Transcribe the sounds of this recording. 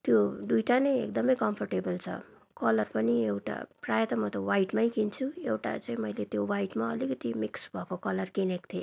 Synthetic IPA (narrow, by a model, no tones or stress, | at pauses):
t̪jod̪ujʈanʌjḛk̚d̪ʌmʌjkʌmpʰʌrʈebʌlt͡sʰʌ̰ | kʌlʌrpʌniewʈa̰prajʌt̪ʌmʌt̪ʌwajʈmajkint͡sʰuewʈa̰t͡saĩmʌjlet̪jowajʈmaʌlikʌt̪imiksbʱʌkokʌlʌrkinekt̪ʰe